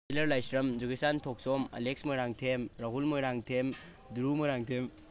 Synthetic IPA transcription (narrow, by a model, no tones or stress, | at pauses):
ilɐɾlajsɾɐmd͡ʒuɡesantʰɔk̚sɔmɐ̰lek̚smɐɾaŋtʰemɾaɦulmɐɾaŋtʰem | duɾumɐɾaŋtʰem